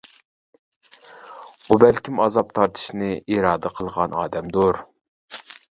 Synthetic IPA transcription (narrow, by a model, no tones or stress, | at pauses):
ubælkʲʰimɑzɑp̚t̪ʰɑɾt̪ʰɨ̥ʃnɨʔiɾɑːd̪əqʰəlˠʁɑnɑ̰ːd̪ɛmd̪oɾ